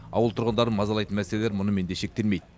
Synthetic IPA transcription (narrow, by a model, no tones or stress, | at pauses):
ɑ̰wəlˠt̪ʰʊɾʁənd̪ɑɾənmɑzɑlˠɑjt̪ənmæseleleɾmʊnəme̞nd̪eʃe̞k̚t̪e̞lmejd̪ɪɪ